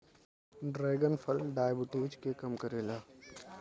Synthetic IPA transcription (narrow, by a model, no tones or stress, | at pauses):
ɖɾeːɡənfʰəlɖaːjbɪʈid͡ʒkekɐmkəɾeːlaː